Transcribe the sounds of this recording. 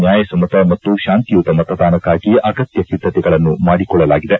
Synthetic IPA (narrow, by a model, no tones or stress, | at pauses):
njaːjɐsɐmɐt̪ɐmɐt̪ːuʃaːnt̪ijuːt̪ɐmɐt̪ɐd̪aːnɐkːaːɡiɐːɡɐt̪jɐpid̪ːɐt̪ɛɡɐɭɐnːumaːɽikɔɭːɐlaːɡid̪e̞